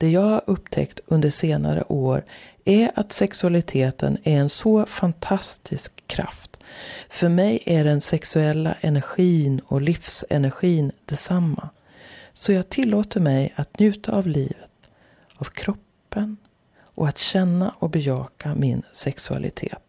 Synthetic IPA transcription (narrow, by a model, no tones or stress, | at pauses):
d̪̥ɛjɑːɡhaɾʔɵp̚t̪ʰɛ̰kt̪ɵnd̪əʂeːna̰ɾə̰ʔoːɾæɾat̪sɛksɵalɪt̪ʰeːt̪ʰə̰næɾɛnsɔfant̪ʰast̪ʰɪskʰːɾa̰ft̪fœɾmɛjæɖɛnsɛksɵɛlːa̰ʔɛnæɾɧiːnɔlɪfsɛ̰næɾɧiːnd̪̥ɛsamːa | sɔjɑːɡ̚t̪ʰɪlːoːt̪əɾmɛjat̪njʉ̟ːt̪ʰaːvliːvət̪ | avkʰɾɔpːən | ʔɔat̪ɕɛnːaʔɔbɛjɑːkamɪnsɛksɵa̰lʔɪ̰t̪ʰḛːt̪